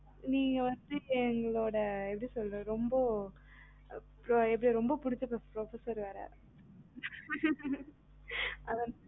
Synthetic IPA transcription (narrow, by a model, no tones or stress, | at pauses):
niːŋɡɐʋɐnd̪ɯɛŋɡɐɭoːɽɐɛp̬ːɐʈisɔlːɾɐɾɔmbɐ | pɾoɛp̬ːɐɽiɾɔmbɐpʊɽɪt͡ʃːɯpːɐpɾofɐsɐɾɯʋaːɾɐ̰ | ɐðɐn